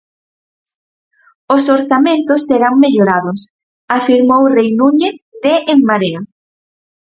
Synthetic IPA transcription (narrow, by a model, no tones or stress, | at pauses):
osoɾθamẽnt̪ʊsːeɾaŋmeʎoɾaðʊs | afiɾmowrejnuɲeθðeʔeŋmaɾea